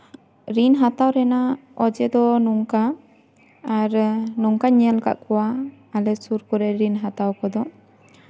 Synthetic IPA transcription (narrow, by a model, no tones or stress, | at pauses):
ɾinɦat̪awɾɛnaɔd͡ʒɛd̪ɔnuŋkaː | ɾnuŋkaɲɛlka̰ʔkɔwaː | lɛsuɾkɔɾɛɾinɦat̪awkɔd̪ɔ